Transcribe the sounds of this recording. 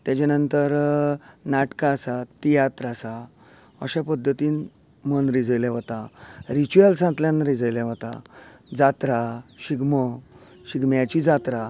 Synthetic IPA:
t̪jat͡ɕanənt̪əɾ | naʈkaːsat̪ːijat̪ɾasa | əɕapəd̪ʱːət̪iːn | mənɾid͡zəjlɛʋət̪aɾit͡ɕuəlsãt̪ljãnɾid͡zəjlɛ̃ʋət̪a̰d͡zat̪ɾaɕiɡmə | ɕiɡmjat͡ɕid͡zat̪ɾa

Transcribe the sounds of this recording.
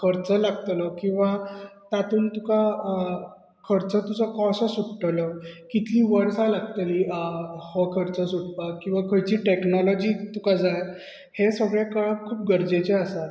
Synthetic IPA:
kʰəɾt͡səlaɡ̚t̪ləkĩw̃ʋat̪at̪uːnt̪uka | kʰəɾt͡sət̪ud͡zəkɔsəsuʈʈələkit̪ʰlĩːʋəɽsalaɡt̪əlihɔkʰəɾt͡səsuʈ̚pakːĩw̃ʋakʰəɭt͡ɕiʈeknɔlɔd͡ʑit̪ukad͡zaj | hesəɡɭekəɭakkʰːuːp̚ɡəɾd͡ʑet͡ɕeəsat̪

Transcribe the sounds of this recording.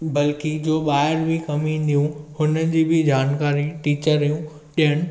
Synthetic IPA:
bɐlkid͡ʑoːɓaːɪɾbʱɪkɐmĩnd̪ijũhʊnəɪd͡ʑiːbɪd͡ʑaːnkaːɾiʈiːt͡ɕəɾjũ | ɗiɦəɽ̃ɪ̆

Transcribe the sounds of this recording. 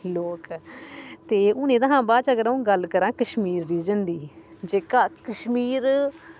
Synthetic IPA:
loːk | t̪eːʊnẽːt̪əɦãːbaːt͡ʃəɡəɾaːũːɡəlkəɾãːkəʃmiːɾːiːd͡ʒənd̪iːd͡ʒeːkaːkəʃmiːɾ

